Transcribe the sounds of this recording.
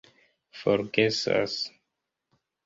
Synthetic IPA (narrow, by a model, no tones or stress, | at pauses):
foɾɡesa̰s